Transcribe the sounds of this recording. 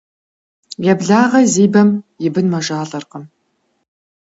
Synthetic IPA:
jɛbɮaːʁɐziːbɐmjɪbɨnmɐʒaːɮɐrqəm

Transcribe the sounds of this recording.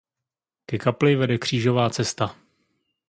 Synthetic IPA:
kɛkaplɪvɛdɛkr̝̥iːʒo̞vaːt͡sɛst̪a

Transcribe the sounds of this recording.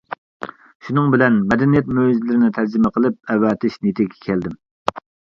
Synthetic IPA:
ʃunɨŋbɪlɛnmɛd̪ɛnijɛt̪̚møzlɪɾɪnɪt̪ʰæɾd͡ʒɪmɛqʰəlˠɪp̚ɛwːɑːt̪ʰɪʃnit̪ʰɪkʲʰːɛ̥kʲʰɛld̪ɪm

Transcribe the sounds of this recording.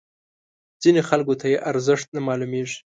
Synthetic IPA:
z̥inexalɡot̪ʰajeʔaɾzɪʂt̪̚namɑlumeʐi̥

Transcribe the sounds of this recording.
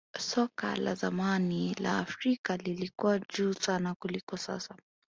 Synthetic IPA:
sɔka̰la̰zamanila̰ːfɾikalilikuwaʄuːsanakulikɔsa̰sa

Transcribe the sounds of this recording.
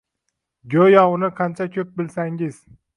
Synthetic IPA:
ɡʲojɒwʊnɪqʰɑnt͡ʃʰakʲʰɵp̚bɪlsaŋɪz̥

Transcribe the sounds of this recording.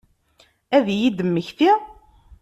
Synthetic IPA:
æðjid̪əmːəçθi

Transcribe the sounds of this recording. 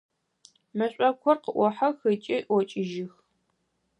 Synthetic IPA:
mɐɕʷʼɐkʷʰɔrqəʔʷɔħaxɨt͡ʃʼiʔwɔt͡ʃʼɪʒɪx

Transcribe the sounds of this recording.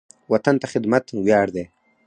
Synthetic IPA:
wat̪ant̪axɪd̪mat̪wjɑːɽd̪eː

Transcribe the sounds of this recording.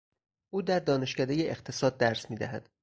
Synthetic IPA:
ʔuːd̪æɾd̪ɒːne̞ʃcæd̪ejeʔext̪ʰe̞sɒːd̪̚ːæɾsmiːd̪æ̰ɦæ̰d̪̥

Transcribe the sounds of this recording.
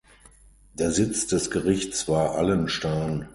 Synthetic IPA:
d̥eːɐzɪt͡sd̥ɛsɡ̥əʁɪçt͡sv̥aːɐʔalənʃtaɪn

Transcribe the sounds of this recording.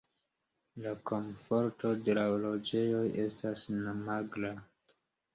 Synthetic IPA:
lako̞mfo̞ɾto̞de̞laolo̞d͡ʒe̞jo̞jʔe̞stʰasnamaɡla

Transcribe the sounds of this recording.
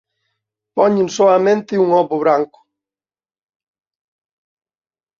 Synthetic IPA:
pɔɲɪnsoamẽnt̪ɪuŋɔβʊβɾaŋkʊ̥

